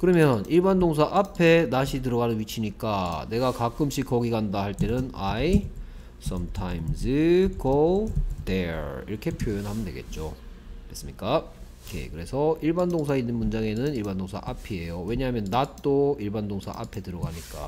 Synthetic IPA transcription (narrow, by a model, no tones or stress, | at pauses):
kɯɾʌmjʌniɭbandoŋs̬ʰaʔapʰe̞naɕʰitɯɾʌɣanɯnwɥit͡ɕʰiɲik͈ane̞ɡakak͈ɯmɕ͈ʰik͈ːʌɡiɡandaɦhaɭt͈e̞nɯna̰i | s͈ʰʌmtʰaimsɯɡod̥eḭɾʌkʰe̞pʰjojʌnɦamjʌndwe̞ɡe̞̰t̚t͡ɕ͈o | es͈ɯmɲik͈a | kḛkɯɾe̞sʰʌiɭbandoŋs̬ʰainːɯnmund͡ʑaŋe̞nɯniɭbandoŋsʰa̰ʔapʰie̞jowe̞ɲaɦamjʌnːat͈oiɭbandoŋsʰa̰ʔa̰pʰe̞tɯɾʌɡaɲik͈a̰